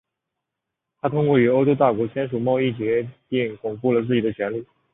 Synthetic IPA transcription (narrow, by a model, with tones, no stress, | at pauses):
t̪ʰa˥t̪ʰʊ˥ŋkwɔ˥˩y˧˥o˥ʊʈ͡ʂo˥ʊt̪a˥˩kwɔ˧˥t͡ɕʰjɛ˥nʂu˨˩mɑ˥˧ʊi˥˩t͡ɕɥɛ˧˥ti˥˩ŋkʊ˨˩ŋpu˥˩lə˩t͡sɹ̩˥˩t͡ɕi˨˩d̪ə˦t͡ɕʰɥɛ˧˥nli˥˩